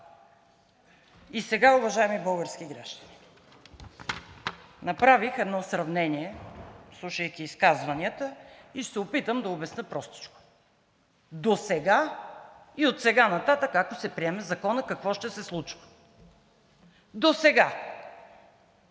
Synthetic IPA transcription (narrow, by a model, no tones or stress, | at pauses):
isɛɡaʊvɐʒaɛmibɤlˠɡəɾsk̟iɡɾa̰ʃd̪əni̥ | nɐpɾavixɛd̪nɔsɾɐvnɛniɛslˠuʃəjkʲiːskazvɐniət̪əiʃt̪ɛopit̪əmd̪ɐobɛsnəpɾɔst̪i̥t͡ʃko̥ | d̪osɛɡa | iot̪sɛɡanɐt̪at̪əkakosɛpɾiɛmɛzɐkɔnəkɐkvɔʃt̪ɛsɛslˠut͡ʃvə̥ | d̪osɛɡa